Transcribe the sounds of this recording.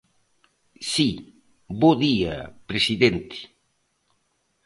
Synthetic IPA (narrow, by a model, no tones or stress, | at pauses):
si | boðia̰pɾesiðent̪ɪ̥